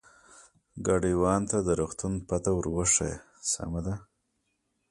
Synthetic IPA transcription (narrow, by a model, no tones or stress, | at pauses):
ɡaɖiwɑːnt̪ad̪əɾuxt̪unpat̪awɾwəʂa̰j | sa̰mad̪a